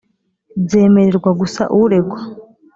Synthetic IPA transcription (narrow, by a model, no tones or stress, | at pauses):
ze̞ːme̞ɾe̞ɾɡwaɡusa̰ʔuɾe̞ɡwa